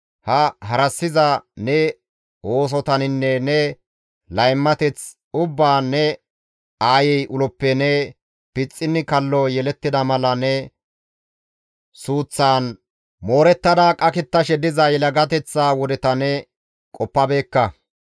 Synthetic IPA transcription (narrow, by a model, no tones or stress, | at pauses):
hɐɦɐɾɐsːɪzɐnɛ | o̞ːs̬ɔt̪ɐnɪnːɛnɛ | lɐjmːɐt̪ɛt͡s | ʊbːaːnːɛ | aːjɛjʔʊlɔpːɛnɛ | pɪt͡sʼːɪnːɪkɐlːɔjɛlɛt̪ːɪd̪ɐmɐlɐnɛ | suːt͡sːaːn | moːɾɛt̪ːɐd̪aːkʼɐkɪt̪ːɐʃɛd̪ɪzɐjɛlɐɡɐt̪ɛt͡sːaːwɔd̪ɛt̪ɐnɛ | kʼɔpːɐbe̞ːkːɐ